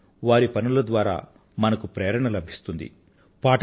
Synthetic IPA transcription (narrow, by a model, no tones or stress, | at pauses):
ʋaːɾipɐnulɐd̪ʋaːɾa̰ː | mɐnɐkupɾeːɾɐɳɐlɐbʱist̪und̪ḭ | paːʈ